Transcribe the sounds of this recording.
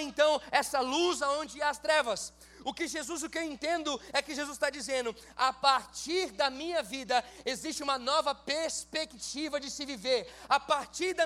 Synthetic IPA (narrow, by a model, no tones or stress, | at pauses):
ẽnt̪ɐ̃w̃ɛsɐluzaõnd͡ʒɪaɐst̪ɾɛvɐs | ʊkɪʒezuzʊkɪewẽnt̪ẽnd̪ʊɛkɪʒezust̪ad͡ʒizẽnd̪ʊapaɾt͡ʃiɾd̪ɐmĩɲɐvid̪ɐezist͡ʃɪũmɐnɔvɐpeɾspekt͡ʃivɐd͡ʒɪsɪviveɾapaɾt͡ʃiɾd̪ɐ